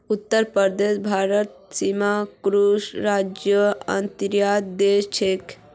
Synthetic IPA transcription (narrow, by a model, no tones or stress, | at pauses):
ut̪ːəɾpəɾd̪esbʱaɾət̪̚simakɾusɾad͡ʒjəə̰nt̪ɾjad̪d̪est͡ʃʰek